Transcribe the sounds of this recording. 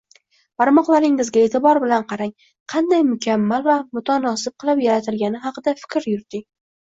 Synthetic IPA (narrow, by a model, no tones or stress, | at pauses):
baɾmɒqlˠaɾɪŋɪzɡʲae̞t̪ɪbɒɾbɪlanqʰɑɾaŋ | qʰɑnd̪ajmʊkʲʰamːalvamʊt̪ʰanɒsɪp̚qʰɨlˠɪpjaɾat̪ʰɪlɡʲanɪɦɑqɨd̪afɪ̥kʲɾjʊɾd̪ɪŋ